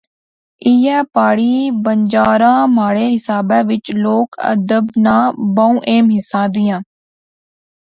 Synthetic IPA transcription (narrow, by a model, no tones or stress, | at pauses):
iːjɛ̃ːpaːɽiːbəɲd͡ʒaːɾãːmaːɽeːɦɪsaːbɛ̃ːʋɪt͡ʃloːkə̰d̪əbnãːbãũːʔeːmɦɪsãːd̪ɪjãː